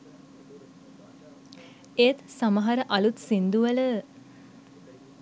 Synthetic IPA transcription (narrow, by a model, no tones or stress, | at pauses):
eːt̪saməɦaɾəʔɐlut̪sind̪uʋələ